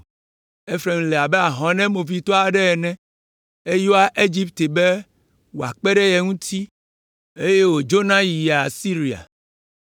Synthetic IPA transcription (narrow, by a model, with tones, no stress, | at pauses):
e˦fɾe˨m˨le˨a˨bɛ˦a˨ɦɔ̃˨nɛ̃˦mo˨vi˨˦t̪ɔ˦a˨ɖɛ˦ɛ˨nɛ̃˦ | e˦jo˦a˦ʔe˦d͡ʒi˦pt̪e˨be˦ | wo˨a̰˨k͡pɛ˦ɖe˦jɛ˨ŋũ˦t̪ʰi˦ | e˦je˦wo˨d͡ʒo˦nã˦ji˨ja˨si˦ɾi˨a̰˨